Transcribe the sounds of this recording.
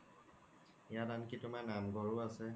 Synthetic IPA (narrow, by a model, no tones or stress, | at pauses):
ijadankitʊmanamɡɔɹuasɛ